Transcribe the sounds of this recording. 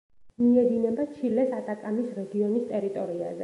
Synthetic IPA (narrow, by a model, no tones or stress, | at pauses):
miɛɡ̪inɛbat͡ʃʰilɛsat̪ʼakʼamisɾɛɡiɔnist̪ʼɛɾit̪ʼɔɾia̰zɛ